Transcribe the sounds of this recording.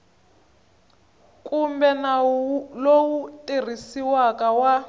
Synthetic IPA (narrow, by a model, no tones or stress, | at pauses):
kumbɛnalowutʼir̤isiwakawa